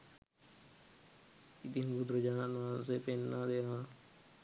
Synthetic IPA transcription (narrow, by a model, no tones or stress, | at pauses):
id̪inɡud̪ɾəd͡ʒaːnanãsepenːad̪eã